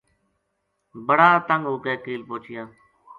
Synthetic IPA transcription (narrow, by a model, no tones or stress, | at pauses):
bəɽaːt̪əŋɡɦoːkeːkiːlpõːt͡ʃɪjãː